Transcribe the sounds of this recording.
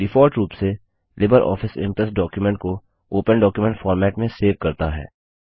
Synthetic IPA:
ɖɪfɔːɾʈɾuːpse | lɪbəɾʔɔ̰ːfɪsɪ̰̃mpɾəsʈɖɔːkjumɛ̃ɳʈ̚ko | oːpənɖɔːkjumɛ̃ɳʈfɔːɾmɛːʈmẽseːʋkɐɾt̪aɦɛ̰ː

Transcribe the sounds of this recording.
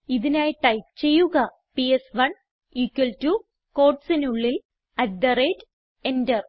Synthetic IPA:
iðinaːjiʈːajt͡ɕe̞jːuɣɐ | piesʋɐɳ | iːkːʋɐltu | ko̞ːʈsinuɭːil | ɐdd̪ɐreːd | endɐr

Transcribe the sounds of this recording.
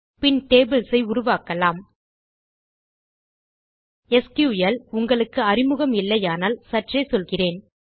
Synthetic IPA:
pɪnʈeːbɪlsɐɪʊrʊʋaːkɐlaːm | ɛskjuːjɐlʊŋɡɐɭɯkːɯɐrɪmɯɣɐmɪlːɐjaːnaːlsɐʈrɐɪsɔlɣɪreːn

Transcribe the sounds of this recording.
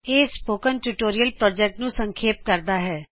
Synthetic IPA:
eːspoːkənʈuːʈoːɾijəlpɾɔːd͡ʒɛk̚ʈnũːsəŋkʰeːp̚kəɾd̪aːɦɛː

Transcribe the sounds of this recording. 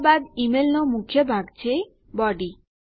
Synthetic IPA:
bad̪imelnɔmukʰjobʱaɡt͡ɕʰe | bɔɖi

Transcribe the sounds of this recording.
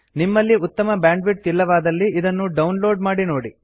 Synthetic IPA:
nimːɐlːiut̪ːɐmɐbjaːɳɖʋiʈ̚t̪ilːɐʋaːd̪ɐlːiʔid̪ɐnːuɖɐwnlo̞ːɖmaːɽinoːɽi

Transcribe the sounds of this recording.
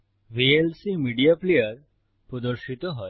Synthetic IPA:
ʋielsimiɖijaplejəɾ | pɾɔd̪ɔɾʃit̪oɦɔ

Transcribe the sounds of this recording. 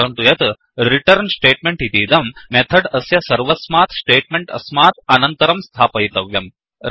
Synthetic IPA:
ɾɐnt̪ujɐt̪ | ɾiʈɐɾnsʈeːʈmeɳʈɦit̪iːd̪ɐmːet̪ʰɐɖɐsjɐsɐɾʋɐsmaːt̪ʰsʈeːʈ̚meɳʈɐ̰smaːt̪ʰɐnɐnt̪ɐɾɐmst̪ʰaːpɐjt̪ɐʋjɐm | ɾ

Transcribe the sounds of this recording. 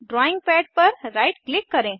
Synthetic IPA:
ɖɾɔiŋɡ̚pɛɖ̚pəɾɾajʈklikːəɾẽ

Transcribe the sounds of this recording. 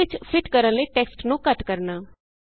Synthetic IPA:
ɪt͡ʃpʰɪʈkəɾənləiːʈɛːksʈnũːkəʈkəɾnaː

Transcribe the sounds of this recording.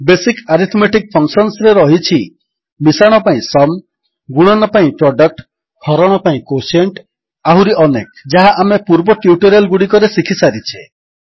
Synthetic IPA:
besikaɾit̪ʰmeʈik̚pʰɔŋsɔnsɾeɾɔɦit͡ʃʰi | misaɽ̃ɔpaĩsɔm | ɡuɽ̃ɔnɔpaĩpɾɔɖɔk̚ʈ | hɔɾɔɽ̃ɔpaĩkoseɳʈ | aɦuɾiʔɔnekd͡ʒaɦaʔamepuɾbɔʈjuʈɔɾelɡuɽikɔɾesikʰisaɾit͡ʃʰe

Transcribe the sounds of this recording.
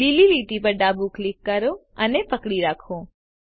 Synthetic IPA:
ililiʈipəɾɖabuklikːəɾo | ənepəkɽiɾakʰõ

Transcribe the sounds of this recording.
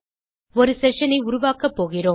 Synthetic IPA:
ɔɾɯsɛʂɐnɐɪʊɾʊʋaːkɐpːoːɣɪroː

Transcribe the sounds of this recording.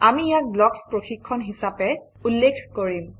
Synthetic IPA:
amijak̚blɔkspɹoxikʰːɔnɦisapɛ | ulːekʰkoɹim

